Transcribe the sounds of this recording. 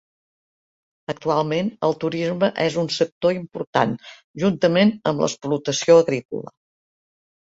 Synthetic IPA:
ək̚t̪ualˠmenəlˠt̪uɾizməʔɛzunsək̚t̪oimpuɾt̪a̰n | ʒunt̪əmenəmblə̰splut̪əsioəɣɾikṵlə̰

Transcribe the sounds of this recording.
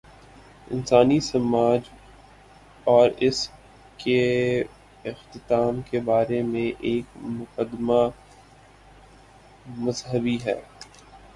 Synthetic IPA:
ɪ̰nsaːnisɐmaːd͡ʒ | ɔːɾɪs | ke | ɪxt̪ɪt̪aːmkebaːɾemẽʔeːkmʊqəd̪ma | mɐzɦəbiɦɛ̰ː

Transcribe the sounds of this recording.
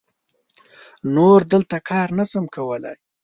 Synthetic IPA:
noɾd̪əlt̪akʰɑɾnasəmkʰawəla̰j

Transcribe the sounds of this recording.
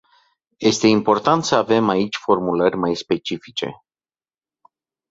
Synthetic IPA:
je̞st̪e̞impo̞rt̪ant̪səave̞mait͡ʃʲfo̞rmulərʲmajspe̞t͡ʃifit͡ʃe̞̰

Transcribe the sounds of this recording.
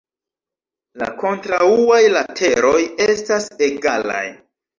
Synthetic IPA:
la̰ko̞ntɾauajlatʰe̞ɾo̞je̞stase̞ɡala̰j

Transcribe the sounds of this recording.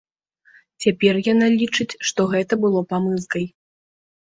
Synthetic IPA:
t͡sʲapʲɛrjanalʲit͡ʂɨt͡sʲʂt̪ɔɣɛt̪ɐbɨlˠɔpamɨzkɐj

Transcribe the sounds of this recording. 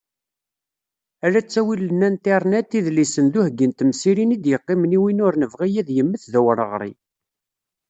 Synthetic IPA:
æɾæt͡sːæwilənːænt̪iɾˤnæt̪ːiðlisənd̪uhɡːint̪əmsiɾinid̪jəqːimniwinʊɾnəvʁijæðjəmːəθðæwɾəʁɾˤḭ

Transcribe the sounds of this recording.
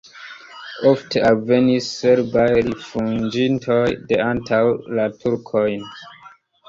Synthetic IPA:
ɔftavenisːɛɹbajɹifũnd͡ʒĩntʰɔjdeãntʰawlatʰuɹkʰɔjn

